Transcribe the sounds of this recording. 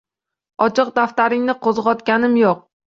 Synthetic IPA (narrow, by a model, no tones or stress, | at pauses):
ɒt͡ʃʰɨq̚d̪aft̪aɾɪŋnɪqʰozʁɒt̪kʲanɪmjoq̚